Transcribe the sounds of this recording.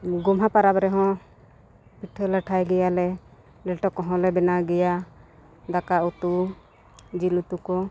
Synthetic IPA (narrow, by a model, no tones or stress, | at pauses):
ɡɔmɦapaɾabɾɛɦɔ̃ | piʈʰələʈʰajɡɛjalɛ | lɛlʈɔkɔɦɔ̃lɛbɛnaɡɛja | d̪akaut̪u | d͡ʒilut̪ukɔ